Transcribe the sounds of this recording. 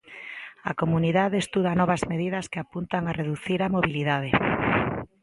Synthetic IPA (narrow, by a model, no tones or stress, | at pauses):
a̰komuniðaðeest̪uð̞anɔβɐzmeðiðɐskeapunt̪aŋareðuθiɾamoβiliðað̞e